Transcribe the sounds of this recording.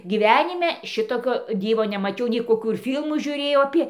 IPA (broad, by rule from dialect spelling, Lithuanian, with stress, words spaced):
ɡʲiːˈʋʲæːnʲɪmʲɛ ˈʃʲɪtoːkʲoː ˈdʲiːʋoː nʲɛmɐˈt͡ʃʲɛʊ nʲɛɪ koːˈkuː ɪr ˈfʲiːlˠmuː ʒʲʊˈrʲeːjɛʊ ɐˈpʲeː